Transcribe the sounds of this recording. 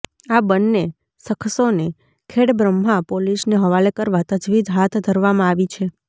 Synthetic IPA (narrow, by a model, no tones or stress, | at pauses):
abənːe | səkʰsone | kʰeɽbɾəmːapolisneɦəʋalekəɾʋat̪əd͡ʒʋid̪ɦat̪ʰd̪ʱəɾʋamãaʋit͡ʃʰe